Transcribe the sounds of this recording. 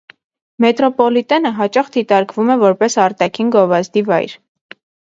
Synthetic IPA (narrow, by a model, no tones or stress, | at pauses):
mɛt̪ɾɔpɔlit̪ɛnəɦɑt͡ʃɑχd̪it̪ɑɾkvumɛvɔɾpɛsɑɾt̪ɑkʰinɡɔvɑzd̪ivɑ̰jɾ